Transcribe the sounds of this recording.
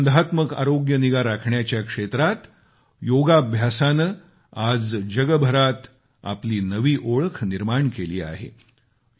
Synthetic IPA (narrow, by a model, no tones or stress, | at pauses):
nd̪ʱat̪məka̰ɾoɡjəniɡaɾakʰɳjat͡ɕjakʂet̪ɾat̪ | joɡabʱjasanə | ad͡zd͡ʑəɡəbʱəɾat̪ | a̰pliːnəʋiːʔoɭkʰniɾmaɳkelḭːa̰ɦḛ